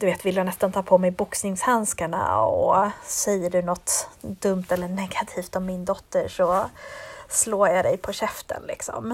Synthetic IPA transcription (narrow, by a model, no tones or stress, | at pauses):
d̪ɵveːt̪vɪlːjanɛst̪ant̪ʰɑːpʰɔmɛjbʊksnɪŋshanskaɳa̰ɔ̰sɛjːəɖɵnɔt̪ːd̪ɵmt̪ɛlːəɳɛɡat̪ʰiːft̪ɔmːɪnd̪ɔt̪ːəʂɔ | sloːɾjad̪ɛjpʰɔɕɛft̪ʰə̰nlɪ̰ksɔ̰m